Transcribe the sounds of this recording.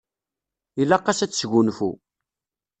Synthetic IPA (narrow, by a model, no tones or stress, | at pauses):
ilɑqːɑsæt͡sːsʝunfṵ